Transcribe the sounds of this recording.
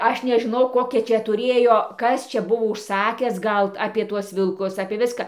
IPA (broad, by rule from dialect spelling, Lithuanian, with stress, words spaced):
ˈɐʃ nʲɛʒʲɪˈnɐʊ ˈkoːkʲɛ ˈt͡ʃʲɛ tʊˈrʲeːjoː ˈkɐs ˈt͡ʃʲɛ ˈbʊʋoː ʊʃˈsɑːkʲæːs ˈɡɐlˠ ɐpʲiɛ ˈtuɔs ʋʲɪlˠˈkʊs ɐpʲiɛ ˈʋʲɪskɑː